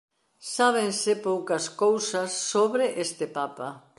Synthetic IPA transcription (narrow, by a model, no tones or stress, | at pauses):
saβ̞ensɪpowkɐskowsɐsːoβɾɪʔest̪ɪpapa